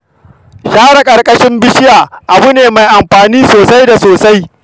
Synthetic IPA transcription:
ʃaː˦ɽa˨kʼɐ˨rkʼɐ˦ʃɪ˦mbɪ˦ʃɪ˦jaː˨ʔa˨bʊ˦neː˨ma˨jʔa˨mɸaː˨niː˦soː˨sa˦jda˨soː˨sa˦j

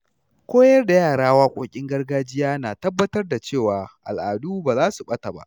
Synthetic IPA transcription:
kʷoː˦jɐ˦rda˨jaː˦˨ɽaː˦waː˦kʷʼoː˦kʲʼɪ˦ŋɡɐ˦rɡaː˦d͡ʒɪ˦jaː˦naː˨tɐ˦bːɐ˦tɐ˦rda˨t͡ʃeː˦˨waː˨ʔa̰˨lʔaː˨duː˦baː˨zaː˦su˨ɓɐ˦ta˨ba̰˦ʔ

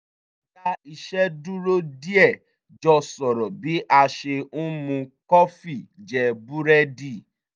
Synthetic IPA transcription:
ka˦i˧ʃɛ˦du˦ɾo˦di˦ɛ˦˨ | d͡ʒɔ˧sɔ˨ɾɔ˨bi˨˦ʔa˧ʃe˧u˦mũ˧kɔ˦fi˦˨d͡ʒɛ˨bu˦ɾɛ˦di˦˨

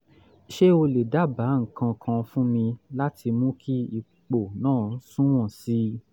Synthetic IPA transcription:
ʃe˦o˧le˨da˨˦˨ba˨˦ŋ̩˨kã˧kʰã˧fũ˦mĩ˧la˦ti˧mũ˦kʰi˦i˧ | k͡po˨nãː˦˨˦sũ˦w̃ɔ̃˦˨si˨˦

